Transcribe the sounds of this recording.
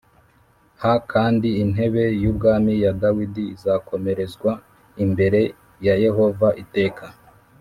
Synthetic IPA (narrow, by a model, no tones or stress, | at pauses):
hakʰaːndiːn̥e̞βe̞jubɡaːmijadawidiizakʰo̞me̞ɾe̞zɡwa | imbe̞ɾe̞ | jaje̞ɦo̞vaʔite̞ːkʰa